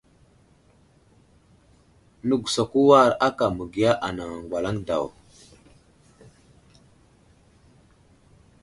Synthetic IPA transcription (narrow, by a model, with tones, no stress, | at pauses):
nə˨ɡu˨sa˨ku˦wa˦˨ɾa˦ka˨mə˨ɡi˨ja˦ʔa˨na˨ŋa˨ŋ˨ɡʷwa˨la˦ŋda̰˨w